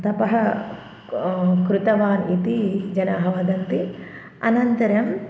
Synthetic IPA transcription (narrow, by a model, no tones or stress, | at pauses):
t̪ɐpɐɦɐ | kɾut̪ɐʋaːnit̪id͡ʒɐnaɦɐʋɐd̪ɐnt̪i | ɐ̰nɐnt̪ɐɾɐm